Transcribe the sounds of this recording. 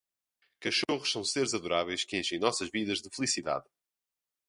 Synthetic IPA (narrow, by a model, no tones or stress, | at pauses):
kɐʃoʁʊʃsɐ̃w̃seɾzɐðuɾavɛjʃkɨẽj̃ʃẽj̃nɔsɐʒviðɐʒðɨfɨlˠisiða̰ð